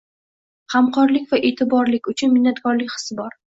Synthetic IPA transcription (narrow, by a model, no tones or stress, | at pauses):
hamqʰɒɾlɪkʲvaʔe̞t̪ʰɪbɒɾlɪkʲʊt͡ʃʰʊnmɪnːat̪kɒɾlɪkʲχɨ̥sɪbɒɾ